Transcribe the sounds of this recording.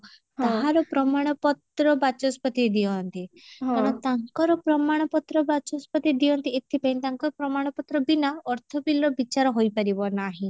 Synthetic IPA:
t̪aɦaɾɔpɾɔmaɽ̃ɔpɔt̪ɾɔbat͡ʃɔspɔt̪id̪iɔɦnt̪ik̪ɔɽ̃ɔt̪aŋkɔɾɔpɾɔmaɽ̃ɔpɔt̪ɾɔbat͡ʃɔspɔt̪id̪iɔnt̪iet̪ʰipaĩnt̪aŋkɔɾɔpɾɔmaɽ̃ɔpɔt̪ɾɔbinaɔɾt̪ʰɔbilɔbit͡ʃaɾɔɦojpaɾibɔnaɦĩ

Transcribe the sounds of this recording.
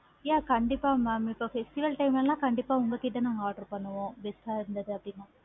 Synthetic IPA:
jaːkɐɳɖipaːmaːmipːofʰesʈiʋɐlʈɐjmɐllaːkɐɳɖipaːuŋɡɐkiɖ̪ːɐnaːŋaːɾʈɐɾpɐnːɐʋoʋesʈ̪aɾind̪ɐd̪iɐpɽinːa

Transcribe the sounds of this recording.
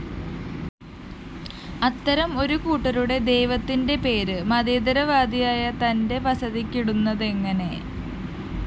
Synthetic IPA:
ɐt̪ːɐɾɐmo̞ɾukuːʈːɐɾuɽe̞d̪e̞jʋɐt̪ːinde̞pe̞ːɾɨmɐðeːd̪ɐɾɐʋaːd̪ijaːjɐt̪ɐnde̞ʋɐsɐðikʲːiɽunːɐðe̞ŋːɐne̞

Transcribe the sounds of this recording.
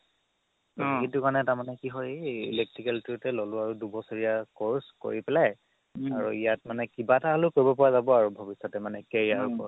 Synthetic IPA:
oitʊkaɹnɛtaɹmanɛkiɦɔjḭlek̚tɹikɛltitɛlolʊaɹudubɔsɔɹijakoɹsko̰ɹipɛlaj | aɹṵijatmanɛkibataɦlʊkoɹibɔpɔɹazabɔaɹubʱobisɔtɛmanɛkeɹiaɹupɔ

